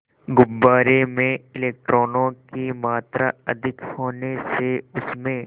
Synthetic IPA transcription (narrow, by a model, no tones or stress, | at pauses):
ɡʊbːaːɾemẽɪleːk̚ʈɾoːnõkimaːt̪ɾaɐd̪ʱɪkhoːneseʊsmẽ